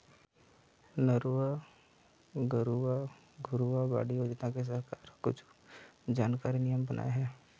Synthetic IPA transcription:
nəɾuʋa | ɡəɾuʋa | ɡʱʊɾuaba̰ːɽiod͡ʒt̪ãkes̬ɐɦkaːɾkʊt͡ʃʰd͡ʒaːnkaːɾinɪjəmbɐnʔa̰ːeɦɛː

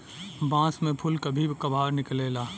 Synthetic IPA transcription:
bãːsmẽpʰʊlkɐbʱibʱkɐbʱaːɾnɪkleːlaː

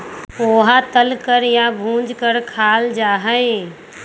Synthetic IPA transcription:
oːɦat̪əlkəɾjabʱũːd͡ʒkəɾkʰaːld͡ʒaːɦəẽ

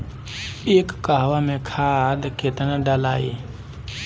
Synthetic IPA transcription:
eːkːaɦʋamẽkʰaːd̪keːt̪naɖaːlaːiː

